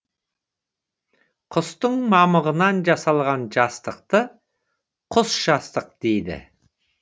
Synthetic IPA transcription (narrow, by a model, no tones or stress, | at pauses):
qʰʊst̪əɴmɑməʁənɑnʒɑsɑlˠʁɑnʒɑst̪əq̚t̪ə | qʰʊsʒ̥ɑst̪əq̚d̪̥ejd̪ɪ̰